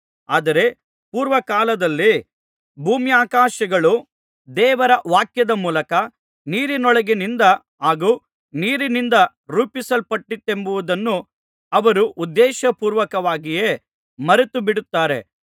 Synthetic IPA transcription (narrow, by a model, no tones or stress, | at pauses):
aːd̪ɐɾe̞ | puːɾʋɐkaːlɐd̪ɐlːi | bʱuːmjaːkaːʃɐɡɐɭu | d̪ɛːʋɐɾɐʋaːkjɐd̪ɐmuːlɐkɐ | niːɾinɔɭɐɡenind̪ɐ | aːɡuː | niːɾinind̪ɐ | ɾuːpisɐlpɐʈːit̪ːembuʋud̪ɐnːu | ɐʋɐɾuʔud̪ːeːʃɐpuːɾʋɐkɐʋaːɡijeː | mɐɾet̪ubiɽut̪ːaːɾḛ